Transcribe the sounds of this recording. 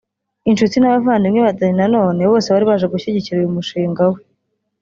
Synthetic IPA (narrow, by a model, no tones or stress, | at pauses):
inʃutinaβavaːndimŋeβataɲinano̞ːne̞βo̞ːseβaɾiβaʒeɡuçiɟiciɾiɾumuʃiːŋɡawe